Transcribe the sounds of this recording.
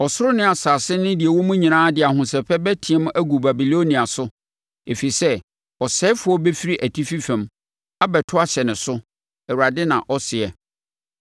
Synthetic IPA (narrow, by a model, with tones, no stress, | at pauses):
ɔ˨sʊ˦ɾʊ˦nɪ̃˦a˨saː˨sɪ˦nɪ̃˦di˨e˨wɔ˦mũ˦ɲĩ˨nãː˦dɪ˨a˨hʊ̃˨sɛ˨pʰɛ˦bɛ˦tʰi˨ɛ˦m˦æ˦ɡu˨ba˨bi˨lo˦nĩ˨a˨sʊ˦ | e˨fi˨i˨sɛ˦ | ɔ˨sɛ˦fʊ˨˦ɔ˦bɛ˦fi˦ɾi˦ʔæ˨tʰi˦fi˦fɛ̃˨m | a˦bɛ˨tʰʊ˦a˦ɕɛ˨nɪ̃˨sʊ˦ | ɛ˨wu˨ɾa˨dɪ˦nã̰˨ʔɔ˦sɪ˨ɛ˨